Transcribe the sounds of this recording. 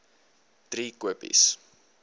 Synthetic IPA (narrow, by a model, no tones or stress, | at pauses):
d̥ɾiːkwəpḭs